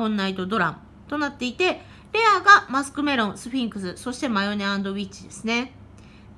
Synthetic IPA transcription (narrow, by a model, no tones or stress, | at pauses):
õ̞nːait̪od̪o̞ɾã̰m | t̪o̞nat̪ːe̞it̪e̞ | ɾe̞aɡamasɨ̥kɯ̟me̞ɾõ̞ñsɨɸʲĩŋkɯ̟sɨso̞ɕi̥t̪e̞majo̞ne̞ãnd̪o̞βʲit͡ɕid̪e̞sɨne̞